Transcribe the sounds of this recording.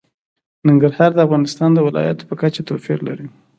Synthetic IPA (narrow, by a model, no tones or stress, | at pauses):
nɪŋɡaɾhɑɾd̪əafɣɑnɪst̪ɑnd̪əwɪlɑ̰ja̰t̪o̥pəkat͡ʃat̪ofiɾla̰ɾi